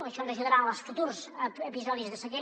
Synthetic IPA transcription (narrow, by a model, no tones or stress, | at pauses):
əʃɔnrəʒəðəɾalˠsfut̪uɾzəpizɔðizðəsəɣe